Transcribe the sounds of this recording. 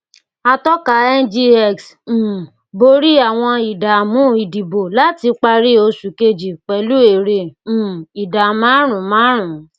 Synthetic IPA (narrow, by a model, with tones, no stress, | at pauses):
a˧tɔ˦ka˨˦ɛ˦nd͡ʒi˧ɛ˦˨ks̩˨ | bo˧˦ɾi˦a˦˨w̃ɔ̃˧i˨da˨mũ˨˦i˨di˨bo˨la˨˦ti˧k͡pa˧ɾi˦o˧su˨ke˧d͡ʒi˨k͡pɛ˨˦lu˦e˨ɾẽ˧˨ | i˨da˨mãː˦ɾ̃ũ˨˦mãː˨˦ɾ̃ũ˨